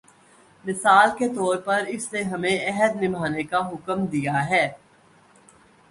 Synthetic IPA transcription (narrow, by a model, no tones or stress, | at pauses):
mɪsaːlket̪ɔːɾpɐɾɪsseɦɐmẽɛɦəd̪nɪmaːnekaɦʊkəmd̪ijaɦɛː